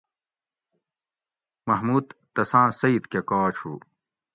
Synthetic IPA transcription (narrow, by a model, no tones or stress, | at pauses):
mɐɦmuːd̪ːɐsãːsɐit̪kekaːt͡ɕʰṵ